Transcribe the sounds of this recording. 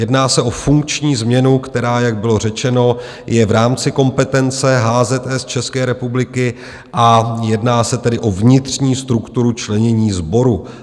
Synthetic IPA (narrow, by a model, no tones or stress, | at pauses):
jɛdnaːsɛʔo̞fuŋk̚t͡ʃɲiːzmɲɛnukt̪ɛɾaːjaɡ̚bɪlo̞r̝ɛt͡ʃɛno̞ | jɛvɾaːmt͡sɪko̞mpɛt̪ɛnt͡sɛɦaːzɛt̪ɛst͡ʃɛskɛːɾɛpublɪkɪ | ʔajɛdnaːsɛt̪ɛdɪʔo̞vɲɪt̪r̝̥ɲiːst̪ɾukt̪uɾut͡ʃlɛɲɛɲiːzbo̞ɾu